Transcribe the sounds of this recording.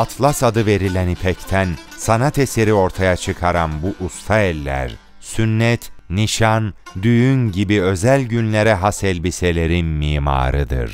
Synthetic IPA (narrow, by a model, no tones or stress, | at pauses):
at̪ʰlˠasad̪ɯve̞ɾilʲænipʰɛct̪ʰæn | sanat̪ʰese̞ɾio̞ɾt̪ʰajat͡ʃʰɯkʰaɾanbuʔust̪ʰaɛlʲːæ̰ɾ | synːɛt̪niʃand̪yjynɟibiø̞zælʲɟynlʲeɾɛɦasɛlʲbise̞lʲe̞ɾinmiːma̰ːɾɯd̪ɯ̰ɾ̥